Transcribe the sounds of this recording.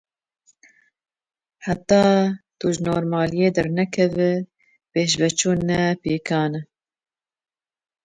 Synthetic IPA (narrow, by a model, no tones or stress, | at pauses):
ħat̪ɑːt̪uʒnoːɾmɑːlijeːd̪ɛɾnɛkʰɛvɨ | peːʃbɛt͡ʃuːnɛpeːkɑːnɛ